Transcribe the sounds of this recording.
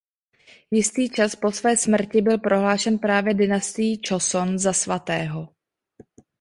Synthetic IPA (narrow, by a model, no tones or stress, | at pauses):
jɪst̪iːt͡ʃaspo̞svɛːsmr̩cɪbɪlpɾʔo̞ɦlaːʃɛnpɾaːvjɛdɪnast̪ɪjit͡ʃosonzasvat̪ɛːɦo̞